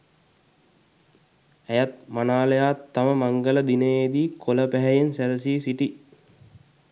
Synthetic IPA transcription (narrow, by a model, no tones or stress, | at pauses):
æjat̪̚manaːləjaːt̪ːaməmaŋɡələd̪inəeːd̪iːkʰoləpæɦɛjensæləsiːsiʈi